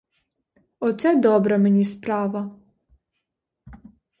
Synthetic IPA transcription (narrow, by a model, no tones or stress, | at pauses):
ɔt̪sʲɛd̪ɔbɾɐmenʲispɾɑʋɐ